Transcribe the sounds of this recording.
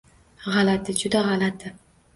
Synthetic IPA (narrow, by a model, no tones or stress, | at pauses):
ʁalat̪ʰɪd͡ʒʊd̪aʁɑlat̪ʰɪ